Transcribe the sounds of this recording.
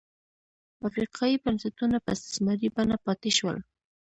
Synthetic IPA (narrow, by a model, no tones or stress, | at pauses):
afɾɪqʰɑjipansɪt̪ʊnapa̰sɪ̥smaɾɪpanapɑt̪ɪʃwa̰l